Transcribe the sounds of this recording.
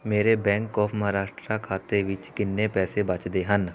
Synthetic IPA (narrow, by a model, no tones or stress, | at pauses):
meːɾebɛ̃ːŋkɔːpʰmɐɦaɾaːʃʈɾakʰaːt̪eʋɪt͡ʃkɪnːepɛːsebɐt͡ʃd̪eɦən